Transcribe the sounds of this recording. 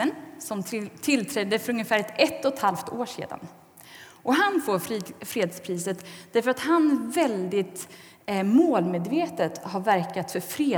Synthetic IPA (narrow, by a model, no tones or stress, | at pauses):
ənsɔmt̪ʰɪlt̪ʰɾɛd̪ːəfœɾɵŋjəfæːɾɛɛt̪ːɔt̪halft̪oːʂḛːd̪a̰n | ʔɔɦanfoːfɾeːd̪spʰɾiːsət̪d̪̥æɾfœɾat̪hanvɛld̪ɪt̪ | moːlmeːd̪veːt̪ət̪haɾvæɾkat̪fœɾfɾeː